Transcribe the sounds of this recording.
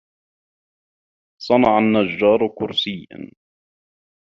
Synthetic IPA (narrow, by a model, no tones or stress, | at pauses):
sˤɑnɑʕanːad͡ʒːɑːɾˤkʊɾsɪja̰n